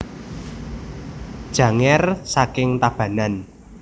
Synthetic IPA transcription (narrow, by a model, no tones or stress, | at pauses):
d̥ʒ̥ä̤ŋɛrsakɪŋt̪ab̥ä̤nan